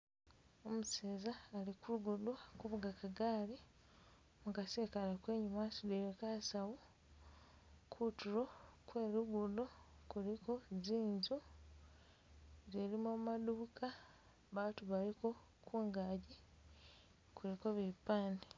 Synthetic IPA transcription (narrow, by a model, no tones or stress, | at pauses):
o̞museːzaːlikuluɡudwkuβuɡakaɡaːli | mukaseːkalakwe̞ːɲumasidejekasawo | kʰutuɾo̞kwe̞ːɾuɡudokulikoziːnzu | ze̞limomaduka | βaːtuβaliko̞ | kʰuːŋɡaːɟi | kuɾiko̞βipaːnde